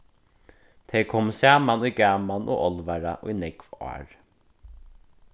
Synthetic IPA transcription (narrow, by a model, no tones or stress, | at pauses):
t̪ʰeɪkʰɔmsæːmanujɡaːmanʔo̰ːʔɔlʋaɹa̰ʔḭnɛɡva̰ːɹ